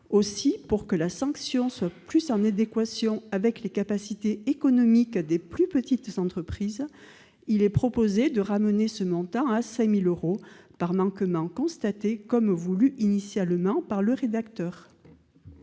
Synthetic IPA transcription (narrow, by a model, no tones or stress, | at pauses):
osipuʁkəlasɑ̃ksjɔ̃swaplysɑ̃nad̪ekwasjɔ̃avɛklekapasit̪eekɔnɔmikd̪eplypət̪it̪zɑ̃t̪χəpχiz | ilɛpχɔpozed̪əʁamənesəmɔ̃t̪ɑ̃asɛ̃miløʁopaʁmɑ̃kmɑ̃kɔ̃st̪at̪ekɔmvulyʔinisjalmɑ̃paʁləʁed̪akt̪œːʁ